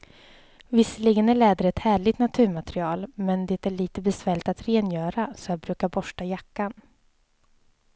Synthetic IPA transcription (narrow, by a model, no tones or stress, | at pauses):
vɪsːəliɡənæɭɛːd̪əɾɛt̪hæːɭɪɡt̪nat̪ʰʉːɾmat̪ɾɪɑːlmɛnd̪ɛːt̪æɭiːt̪əbɛsvæːɭɪt̪at̪ɾeːnjœːɾasɔjat̪̚bɾʉ̟ːkaɾbɔʂʈajakːan